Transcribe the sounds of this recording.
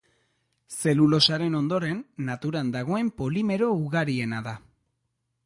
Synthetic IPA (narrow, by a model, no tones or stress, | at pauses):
se̞lulo̞saɾe̞no̞nd̪o̞ɾe̞nːat̪uɾand̪aɣ̞o̞e̞mpo̞lime̞ɾo̞uɣaɾie̞naða